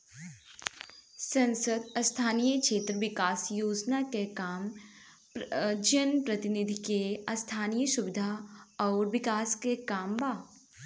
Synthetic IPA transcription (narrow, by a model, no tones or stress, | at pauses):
sɐ̃nsəd̪ɐst̪ʰaːnijəkʃeːt̪ɾəʋɪkaːsjoːd͡ʒnakekaːm | d͡ʒənpɾɐt̪ɪnid̪ʱikeɐst̪ʰaːnijəʃʊʋɪd̪ʱaɔːɾʋɪkaːskekaːmbaː